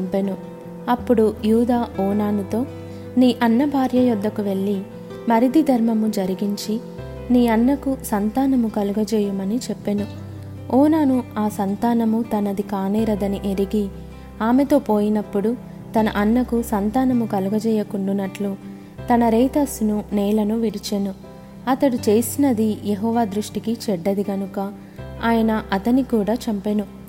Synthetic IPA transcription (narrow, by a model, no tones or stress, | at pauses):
mpːenu | ɐpːuɽujuːd̪aːɔːnaːnut̪o̞ː | niːʔɐnːɐbʱaːɾjɐjud̪ʱːɐkuʋe̞ɭːi | mɐɾid̪id̪ʱɐɾmɐmud͡ʒɐɾiɡiɲt͡ʃi | niːɐnːɐkusɐnt̪aːnɐmukɐluɡɐd͡ʒɛːjumɐnit͡ʃɛpːenu | ɔːnaːnuaːsɐnt̪aːnɐmut̪ɐnɐd̪ikaːnɛːɾɐd̪ɐniʔeɾiɡi | aːmet̪o̞ːpo̞ːjinɐpːuɽu | t̪ɐnɐ̰ʔɐnːɐkusɐnt̪aːnɐmukɐluɡɐd͡ʒɛːjɐkuɳɖunːɐʈlu | t̪ɐnɐɾeːjt̪ɐsununɛːlɐnuʋiɽit͡ʃenu | ɐt̪ɐɽut͡ʃe̞ːsinɐd̪ijeɦɔːʋaːd̪ɾuʂʈikit͡ʃɛɖːɐd̪iɡɐnukɐ | aːjɐnɐʔɐt̪ɐnikuːɽaːt͡ʃɐmpenu